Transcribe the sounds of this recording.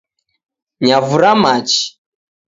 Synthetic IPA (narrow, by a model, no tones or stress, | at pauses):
ɲavuɾamat͡ʃi̥